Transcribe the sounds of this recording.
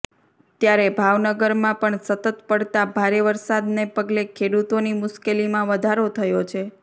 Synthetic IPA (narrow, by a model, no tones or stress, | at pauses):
t̪jaɾebʱaʋnəɡəɾmãpəɳsət̪ət̪pəɽt̪abʱaɾeʋəɾsad̪nepəɡlekʰeɽut̪onimʊʃkelimãʋəd̪ʱaɾot̪ʰəjot͡ʃʰe